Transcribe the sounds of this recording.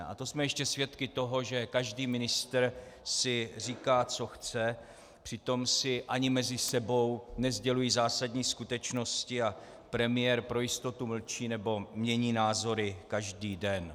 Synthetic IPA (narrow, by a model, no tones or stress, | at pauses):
ʔa̰t̪osmɛjɛʃcɛsvjɛt̪kɪt̪o̞ɦo̞ʒɛkaʒdiːmɪnɪst̪rsɪr̝iːkaːt͡so̞xt͡sɛ | pr̥ɪt̪o̞msɪʔaɲɪmɛzɪsɛbo̞wnɛzɟɛlujiːzaːsadɲiːskut̪ɛt͡ʃno̞scɪa | pɾɛmɪjɛɾpɾo̞jɪst̪o̞t̪uml̩t͡ʃiːnɛbo̞mɲɛɲiːnaːzo̞ɾɪkaʒdiːdɛn